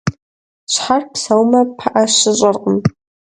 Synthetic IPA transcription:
ʃʷħarpʰsawmapʰaʔaʃʷɨt͡ʃʷʼarqʼəm

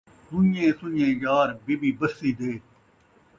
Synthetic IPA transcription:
d̪ʊɲẽːsʊɲẽːjaːɾbibiːbəsːiːd̪eː

